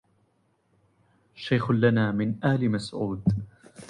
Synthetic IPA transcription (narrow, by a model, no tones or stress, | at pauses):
ʃajxʊlanaːmɪnʔahlɪmasʕuːd̪